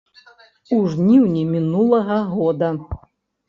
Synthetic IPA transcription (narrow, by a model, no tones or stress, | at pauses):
uʐnʲiwnʲimʲinulˠɐɣɐɣɔd̪ɐ